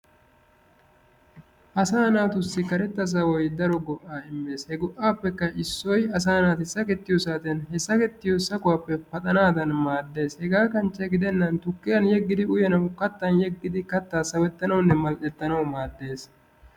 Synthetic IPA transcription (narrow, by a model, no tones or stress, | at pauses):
ʔɐsaːnaːt̪ʊsːɪkɐɾɛt̪ːɐs̬ɐwɔjd̪ɐɾɔɡɔʔːaːɪmːe̞ːshɛɡɔʔaːpːɛkːɐɪsːɔjɐsaːnaːt̪ɪsɐkɛt̪ːɪjɔsaːt̪ɛnɦɛsːɐkɛt̪ːɪjosɐkʊwaːpːɛfɐt̪ʼɐnaːd̪ɐnmaːd̪ːe̞ːshɛɡaːkɐnt͡ʃːɛɡɪd̪ɛnːɐnt̪ʊkːɪjɐnjɛɡːɪd̪ɪʊjɐnɐwkɐt̪ːɐnjɛɡːɪd̪ɪkɐt̪ːaːsɐwɛt̪ːɐnɐwnːɛmɐltʼɛt̪ːɐnɐwmaːd̪ːe̞ːs